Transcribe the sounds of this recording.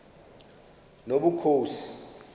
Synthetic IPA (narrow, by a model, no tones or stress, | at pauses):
noɓukʰoːsi̥